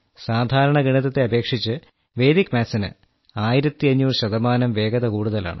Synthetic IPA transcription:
saːd̪ʱaːɾɐɳɐɡiɳiðɐt̪ːeɐbe̞ːkʂit͡ɕːɨ | ʋe̞ːd̪ikːmaːsɐnɨ̰ | aːjiɾɐt̪ːiɐɲːuːrɕɐðɐmaːnɐmʋe̞ːɡɐðɐkuːɽuðɐla̰ːɳɨ

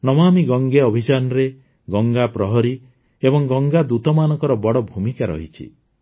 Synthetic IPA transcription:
nɔmamiɡɔŋɡeɔbʱit͡ʃanɔɾe | ɡɔŋɡapɾɔɦɔɾi | ebɔŋɡɔŋɡad̪ut̪ɔmanɔŋkɔɾɔbɔɽɔbʱumikaɾɔ̰ɦit͡ʃʰḭ

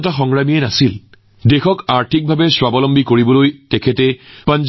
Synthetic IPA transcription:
t̬axɔŋɹamiɛnasil | dexɔkaɹtʰik̚bʱabɛswabɔlɔmbikoɹibɔlojtɛkʰɛtɛpand͡ʒ

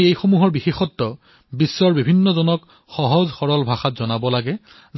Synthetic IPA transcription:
ejxomuɦɔɹbixexɔtːɔ | bisːɔɹbibʱinːɔzɔnɔk | xɔɦɔzxɔɹɔlbʱaxatzɔnabɔlaɡɛ | z

